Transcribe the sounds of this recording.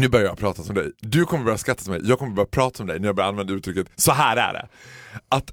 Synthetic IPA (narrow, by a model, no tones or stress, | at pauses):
nʉ̟ːbœɾjajapʰɾɑːt̪asɔmd̪ɛ̰jd̪ɵkʰɔmːəɾbœɾjaskɾat̪ːat̪mɛ̰jjʔɑːɡkʰɔməɾbœɾjapʰɾɑːt̪aɔmɛd̪ɛ̰jnæɾjaɡbœɾjaanvɛnʉ̟ːt̪ʰɾʏkːət̪sɔɦæːɾæ̰ɖɛ̰at̪